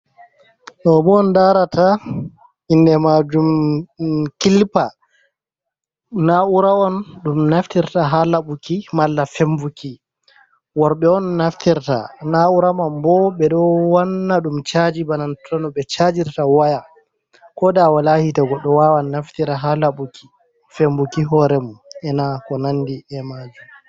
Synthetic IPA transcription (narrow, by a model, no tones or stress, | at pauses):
ɗɔbɔɔndaɾatʰa | indɛmad͡ʒum | kilpa | nauɾaɔnɗumnaftiɾtaɦalaɓukimalːafɛmbuki | wɔɾɓɛɔnːaftiɾta̰nauɾamambɔɓɛɗɔwanːaɗumt͡ʃad͡ʒibanantʰɔnɔɓɛt͡ʃad͡ʒiɾtawaja | kɔdawalahitaɡɔɗːɔwawanːaftiɾaɦalaɓukʰi̥ | fembukiɦɔɾɛmuɛnakɔnandiɛmad͡ʒum